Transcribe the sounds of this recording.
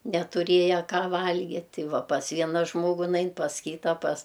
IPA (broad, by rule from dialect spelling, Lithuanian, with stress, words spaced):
nʲɛtʊˈrʲeːjɛ ˈkɑː ˈʋɐlʲɡʲɪtʲ ˈtʲɪ ˈʋɐ pɐs ˈʋʲiɛnɐ ˈʒmoːɡʊ ˈnɐɪn pɐs ˈkʲiːtɐ pɐs